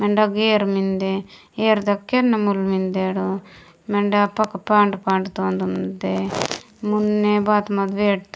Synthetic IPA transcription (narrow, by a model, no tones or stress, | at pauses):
meɳɖɐɡeːɾmind̪e | eːɾd̪ɐkːenːɐmulmind̪eːɽu | meɳɖɐpɐkːɐpaːɳɖpaːɳɖt̪oːnd̪umind̪e | munːebaːt̪mɐd̪ʋeːɽt̪